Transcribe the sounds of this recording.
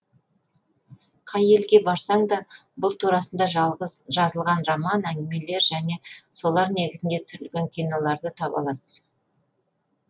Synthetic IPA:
qʰɑje̞lɡʲe̞bɑɾsɑɴd̪ɑbʊlˠt̪ʰuɾɑsənd̪ɑʒˠʁəʒɑzəlˠʁɑnrɑmɑnæŋɡʲɪme̞le̞ɾʒæne̞so̞lˠɑɾne̞ɡʲɪzɪnd̪e̞t̪ʰʏsʏɾɪlɡʲe̞ŋkʲʰijnolˠɑɾd̪ət̪ʰɑpɑ̰lˠɑsə̥z̥

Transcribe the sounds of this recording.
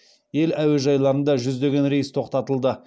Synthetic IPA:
je̞læweʒɑjlˠɑɾənd̪ɑʒʏzd̪e̞ɡʲe̞nɾejəst̪ʰo̞qt̪ɑt̪əlˠd̪ə

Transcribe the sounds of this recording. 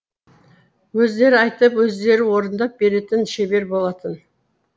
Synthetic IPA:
wɵzd̪e̞ɾɪɑjt̪əpwɵzd̪e̞ɾɪwo̞ɾənd̪ɑp̚be̞ɾe̞t̪ɪnʃe̞be̞ɾbo̞lˠɑt̪ən

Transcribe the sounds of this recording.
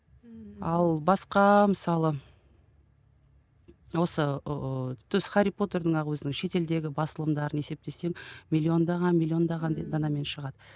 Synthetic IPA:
ɑlˠbɑsqɑməsɑlˠə | wo̞sə | t̪ʰʏzχaɾʲipo̞t̪eɾd̪əɴɑʁwɵzɪnɪŋʃe̞t̪e̞ld̪e̞ɡʲɪbɑsəlˠəmd̪ɑɾəne̞se̞p̚t̪e̞se̞ŋmʲilʲːio̞nd̪ɑʁɑnmʲilʲːio̞nd̪ɑʁɑnd̪d̪ɑnɑme̞nʃəʁɑd̪̥ə

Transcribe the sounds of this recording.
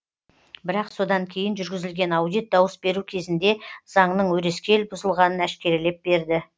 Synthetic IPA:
bɪɾɑqso̞d̪ɑŋkʲʰe̞jɪnʒʏɾɡʲɪzɪlɡʲe̞nɑwd̪ijt̪̚d̪ɑwəsbe̞ɾukʲʰe̞zɪnd̪e̞z̥ɑɴnəɴwɵɾe̞skʲe̞lbʊzəlˠʁɑnənæskʲe̞ɾɪle̞p̚be̞ɾd̪ɪ

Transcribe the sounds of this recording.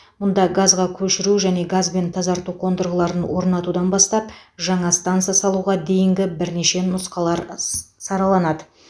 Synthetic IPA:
mʊnd̪ɑɡazʁɑkʲʰɵʃɪɾuʒæne̞ɡazbe̞nt̪ʰɑzɑɾt̪uqʰo̞nd̪əɾʁəlˠɑɾənwo̞ɾnɑt̪ud̪ɑnbɑst̪ɑpʒɑɴɑst̪ant̪sɨjasɑlˠuʁɑd̪e̞jɪŋɡʲɪbɪɾne̞ʃe̞nʊsqɑlˠɑɾsɑɾɑlˠɑnɑd̪ə

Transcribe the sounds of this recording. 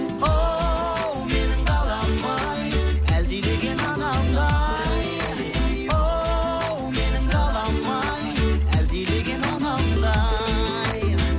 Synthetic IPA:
o | wmenɪŋbɑlˠɑmːɑ | jæld̪eleɡʲenɑd̪ɑnd̪ɑj | o | wmenɪŋdɑlˠɑmːɑ | jæld̪eleɡʲenɑd̪ɑnd̪ɑ | j

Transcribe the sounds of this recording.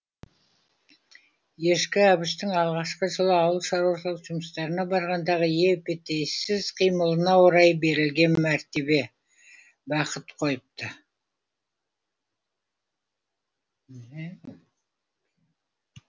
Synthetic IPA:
je̞ʃkʲɪæbɪʃt̪ɪŋɑlˠʁɑʃqəʒəlˠəɑwəlˠʃɑɾwʃəlˠəqʒ̥ʊməst̪ɑɾənɑbɑɾʁɑnd̪ɑʁəje̞pet̪ejsɪzqʰijməlˠənɑwoɾɑjbe̞ɾɪlɡʲe̞nmæɾt̪e̞βe̞ | bɑqət̪qʰo̞jəp̚t̪ə

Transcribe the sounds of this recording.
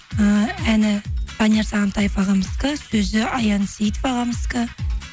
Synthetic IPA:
əænɪt̪ʰɑneɾsɑʁɑnt̪ɑjfɑʁɑməskəsɵzɪɑjɑnsijt̪vɑʁɑməskə

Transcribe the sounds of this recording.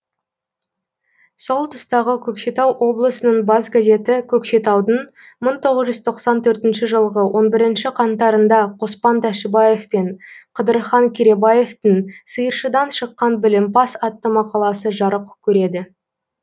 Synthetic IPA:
so̞lˠt̪ʰʊst̪ɑʁəkʲʰɵkʃe̞t̪ɑwʔo̞blˠəsənəɴbɑzɡaze̞t̪ɪkʲʰɵkʃe̞t̪ɑwd̪əɴ | məɴt̪ʰo̞ʁəzʒʏzt̪ʰo̞qsɑnt̪ʰɵɾt̪ɪnʃɪʒəlˠʁəwʔo̞nbɪɾɪnʃɪqʰɑnt̪ɑɾənd̪ɑqʰo̞spɑnt̪ʰæʃɪbaje̞fpe̞ɴqʰəd̪əɾχɑŋkʲʰeɾe̞bɑje̞ft̪ɪŋsəjəɾʃəd̪ɑnʃəqːɑnbɪlɪmpɑsɑt̪ːəmɑqɑlˠɑsəʒɑɾəqkʲʰɵɾe̞d̪ɪ

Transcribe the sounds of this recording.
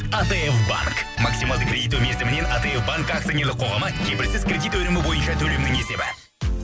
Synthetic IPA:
at̪eefba̰ŋk | maksimalˠəkrʲe̞d̪ijt̪̬ome̞ɾzɪmɪne̞nat̪eefbaŋkak̚t̪inelɪqʰo̞ʁɑmɑkʲʰe̞pɪɾsɪzkʲrʲe̞d̪it̪wɵnɪmɪbo̞jənʃɑt̪ʰɵlemɪnd̪ɪŋe̞se̞bɪ

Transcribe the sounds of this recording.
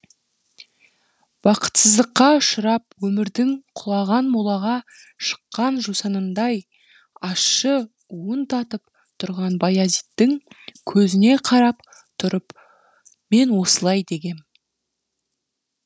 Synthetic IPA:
b̥ɑqə̥t̪səzd̪əqːɑʊʃəɾɑpwɵmɪɾd̪ɪŋqʰʊlˠɑʁɑnmolˠɑʁɑʃə̥qːɑnʒusɑnənd̪ɑj | ɑsʃːə | uənt̪ʰɑt̪əp | t̪ʰʊɾʁɑnbɑjazijt̪ːɪŋkʲʰɵzɪne̞qʰɑɾɑp | t̪ʰʊɾəp | me̞nwo̞səlˠɑjd̪e̞ɡʲe̞n

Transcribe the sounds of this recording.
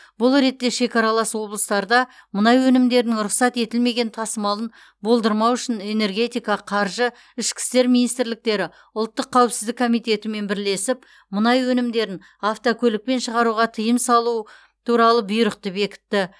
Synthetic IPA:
bʊlˠɾe̞t̪ːe̞ʃe̞kʲɑɾɑlˠɑswo̞blˠəst̪ɑɾd̪ɑ | mənɑjwɵnɪmd̪e̞ɾɪnɪŋɾʊqsɑt̪e̞t̪ɪlme̞ɡʲe̞nt̪ʰɑsəmɑlˠən | bo̞lˠd̪əɾmɑwʏʃɪne̞ne̞ɾɡʲe̞t̪ijkɑqʰɑɾʒə | ɪʃkʲɪ̥st̪e̞ɾminijst̪ɪɾlɪk̚t̪e̞ɾɪ | ʊlˠt̪ːəqʰːæwɪpsɪzd̪ɪkʰːo̞mijt̪e̞t̪ɪme̞nbɪɾle̞sɪp̚ | mənɑjwɵnɪmd̪e̞ɾɪn | aft̪okʲʰɵlɪk̚pe̞nʃəʁɑɾuʁɑt̪ʰəjəmsɑlˠu | t̪ʰuɾɑlˠəbʊjɾəqt̪epe̞kʲɪ̥t̪ːɪ

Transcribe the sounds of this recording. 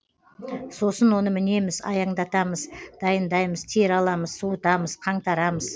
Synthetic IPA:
so̞sənwo̞nəmɪne̞mɪzɑ̰jɑɴd̪ɑt̪ɑməzd̪̥ɑjənd̪ɑjməzt̪ʰeɾɑlˠɑməz̥sut̪ɑməzqʰɑɴt̪ɑɾɑməz

